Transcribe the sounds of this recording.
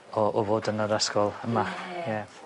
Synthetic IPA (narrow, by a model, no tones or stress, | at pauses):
ɔʔɔvoːdənəɾɛskɔlˠəmajɛ